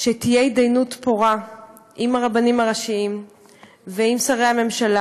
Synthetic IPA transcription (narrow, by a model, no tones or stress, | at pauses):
ʃet̪ijeidajnutpoʁa | ʔimaʁabanimhaʁaʃiim | veimsaʁejhame̞mʃala